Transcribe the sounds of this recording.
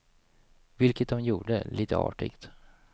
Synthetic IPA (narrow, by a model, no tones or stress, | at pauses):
vɪlkət̪̚d̪ɔmjuːɖə̰lʔiːt̪ə̰ɑ̰ːʈɪ̰ːɡt̪